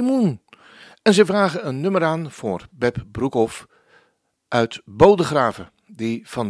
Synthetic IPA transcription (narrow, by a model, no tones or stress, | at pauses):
mun | ɛnzɛjvraːɣəənːɵməɾaːnv̥ʊːrbɛpbrukɔf | ʔœɥtbowdəχraːvə | div̥ɑn